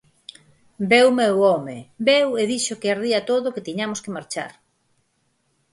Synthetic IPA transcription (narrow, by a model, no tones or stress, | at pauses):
bewmewɔmebeweðiʃokeaɾðiat̪oðokɪt̪iɲamoskemaɾt͡ʃa̰ɾ